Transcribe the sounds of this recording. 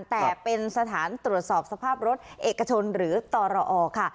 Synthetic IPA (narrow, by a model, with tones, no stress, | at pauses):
nt̪ɛː˨˩pe˧nsa˧t̪ʰaː˩˦nt̪ɾu˨˩ət̪̚sɔː˨˩p̚sa˧pʰaː˥˩p̚ɾo˦˥t̪̚ʔeː˨˩ka˧t͡ɕʰo˧nɾɯː˩˦t̪ɔː˧ɾɔ˧ʔɔː˧kʰa˥˩